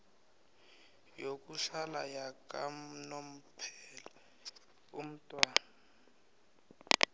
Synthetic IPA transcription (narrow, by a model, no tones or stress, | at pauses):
jokʼuɬalajakʼam̩nom̩pʰɛla | um̩tʼwana